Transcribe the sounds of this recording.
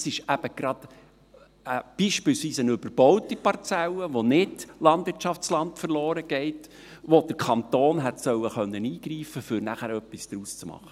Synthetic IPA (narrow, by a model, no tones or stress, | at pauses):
sɪʃæb̥əɡ̥ɾɑd̥ | əb̥iːʃpɪlsʋiːsənɵbəɾb̥ɔwtipɑɾt͡sɛlːəʋonɪd̥lɑndʋɪɾtt͡ʃɑft͡slɑntfəɾlɔːɾəɡ̥ɛɪt | ʋod̥əɾkʰɑnt̪oːnɦɛtsœwəχœnːəniːɡ̥ɾiːfəfʏɾnæχæɾœpːisd̥ɾuːst͡smɑ̰χːə̥